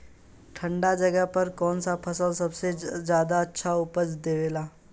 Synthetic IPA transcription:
ʈʰə̃ɳɖad͡ʒɐɡəɦpɐɾkɔːnsapʰɐsəlsɐbsed͡ʒjaːd̪aɐtːʃʰaʊpəd͡ʒd̪eːʋeːlaː

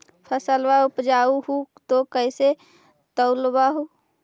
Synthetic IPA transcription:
pʰəsəlwaupd͡ʒauɦut̪okəɪse | t̪əʊlbaɦu

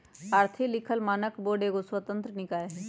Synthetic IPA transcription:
aːɾt̪ʰilɪkʰəlmaːnəkboːɖekoswət̪ə̃nt̪ɾənɪkaːeɦɛ

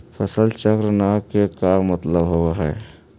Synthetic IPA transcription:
pʰəsəlt͡ʃəkɾənakekamət̪ləbɦowaɦɛː

